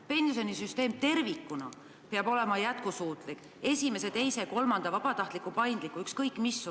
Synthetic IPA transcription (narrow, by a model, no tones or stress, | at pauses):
pe̞nsonisyst̪e̞ːmt̪e̞rvikːˑunɑ̰ | peɑbo̞le̞mɑjæt̪kusuːt̪ˑlik | e̞sʲime̞se̞t̪e̞jse̞ko̞lmɑnd̪̥ɑvɑbɑt̪ɑht̪likːˑupɑjnd̪likːˑuykskɤjkˑmisːu